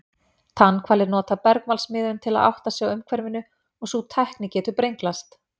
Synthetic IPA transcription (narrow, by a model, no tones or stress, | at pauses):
θanːkʰvaːɾlɪɾnɔːt̪apɛɾkmalsmɪːðʏnt̪ʰɪla̰ða̰wht̪asjaɣʏmkʰvɛɾvɪnːʏ | ɔɣsut̪ʰɛhknɪcɛːt̪ʏpɾejŋklast̪